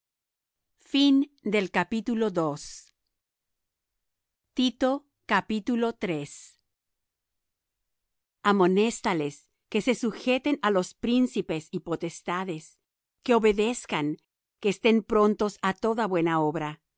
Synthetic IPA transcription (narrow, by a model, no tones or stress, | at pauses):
find̪e̞lkapit̪ulo̞ðo̞s | t̪it̪o̞ | kapit̪ulo̞t̪ɾe̞s | amo̞ne̞st̪ale̞s | ke̞se̞suxe̞t̪e̞nalo̞spɾinsipe̞sipo̞t̪e̞st̪aðe̞s | ke̞o̞βe̞ðe̞skaŋ | ke̞ːst̪e̞mpɾo̞nt̪o̞sat̪o̞ðaβwe̞nao̞βɾa